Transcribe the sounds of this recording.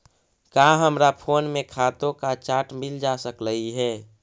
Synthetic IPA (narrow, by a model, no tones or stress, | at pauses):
kaɦəmɾapʰoːnmẽkʰat̪õkat͡ʃaːʈmɪld͡ʒasəkləiɦɛː